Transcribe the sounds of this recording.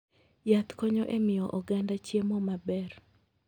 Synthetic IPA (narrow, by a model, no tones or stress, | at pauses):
jat̪kɔɲɔʔemɪjɔʔɔɡandat͡ʃjemɔmabɛr